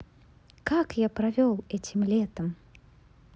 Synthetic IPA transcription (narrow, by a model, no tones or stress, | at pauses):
kakjapɾavʲɔlˠɛt͡sʲimlʲɛt̪ɐm